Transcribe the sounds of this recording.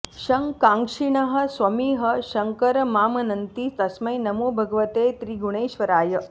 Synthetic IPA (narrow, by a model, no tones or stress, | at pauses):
ʃɐŋkãːŋkʂiɳɐɦɐ̆sʋɐmiːɦɐʃɐŋkɐɾmaːmɐnɐnt̪iːt̪ɐsmɐjnɐmoːbʱɐɡɐʋɐt̪eːt̪ɾiːɡuɽ̃eːʃʋɐɾaːjɐ